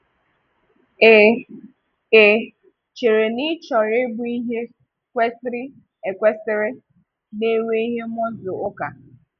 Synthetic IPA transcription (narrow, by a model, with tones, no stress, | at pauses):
e˨ | e˨ | t͡ʃe˨ɾe˨ni˦t͡ʃɔ˨ɾe˦bʊ˦i˦ɦe˦ | kʷe˦stɾi˦ | e˨kʷe˦sɪ˦ɾe˦ | ne˦we˦i˦ɦe˦mɔ˦zo˨o˦ka˨